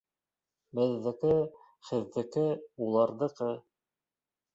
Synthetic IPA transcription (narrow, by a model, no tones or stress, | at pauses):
bɘ̆ðːɘ̆kɘ | χɘ̆ðːɘ̆kɘulˠɑɾðɤ̆qɤ